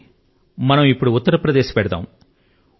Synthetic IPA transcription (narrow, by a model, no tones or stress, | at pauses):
mɐnɐmipːuɽuut̪ːɐɾɐpɾɐd̪eːʃɐ̥pɛɽɐd̪a̰ːm